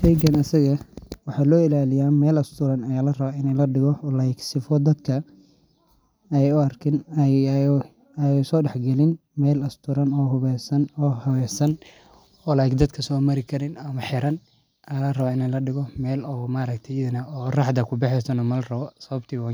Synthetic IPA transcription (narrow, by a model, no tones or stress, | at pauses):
ʃɛjɡɐnɐsɐɣɐwɑħɑːlɔːɪlaːlɪjaːmɛːlɐst̪ʰʊɾɐnɐjaːlɐrɐβaːɪnɛjlɐɖɪɣɔlajɪksɪfɔd̪ɐd̪kʰɐ | ɛɛjʊɐrkʰɪn | jɛsɔːɖɛħɡɛlɪn | mɛːlɐst̪ʰʊɾɐnɔːɦʊβɛːsɐnɔːhɐwɛːsɐn | ɔːlajɪkd̪ɐd̪kʰɐsɔːmɐɾɪkʰɐɾɪnɐmɐħɪɾɐn | ɐlɐrɐβaːɪnɛjlɐɖɪɣɔmɛːlɔːɣmaːɾɐkt̪ʰɛjɪðɐnɐɔːrɑħd̪ɐkʰʊbɛħɛsɐnɔmɐlrɐβɔsɐβɐbt̪ʰiːwaː